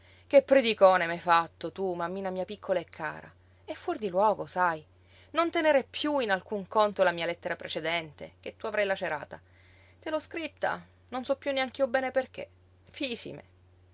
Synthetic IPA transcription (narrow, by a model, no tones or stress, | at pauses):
k̟epːɾed̪ikɔːnemɛfat̪ːot̪umamːiːnamiːapikʰːolaekʰːa̰ːɾa̰ | efːurd̪ilwɔːɡosaj | nont̪eneɾepjuinalkuŋkont̪olamiːalɛt̪ːeɾapɾʔet͡ʃed̪ɛnt̪ḛk̟et̪ːuavɾajlat͡ʃeɾa̰ːt̪a | t̪elɔskɾit̪ːa̰ | nonsɔpːjunːeaŋk̟iobɛːneperk̟ḛ | fisḭmḛ